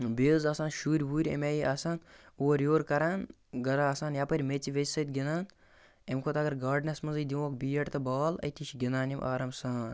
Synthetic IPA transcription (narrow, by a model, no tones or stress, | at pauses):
beːzaːsaːnʃuːɾʲbuːɾʲḛmeːjiʔaːsaːn | oːɾjoːɾkɐɾaːn | ɡɐɾaːsaːnjapɐɾʲmet͡siʋesʲsɐt̪̚ɡʲinaːn | emkʰot̪ɐɡɐɾɡaːɾɖnɐsmɐnzɐjd̪iʋõːkbiːɐʈt̪ɐbaːlɐ̰jt̪iʃiɡʲinaːnimʔa̰ːɾɐmsaːn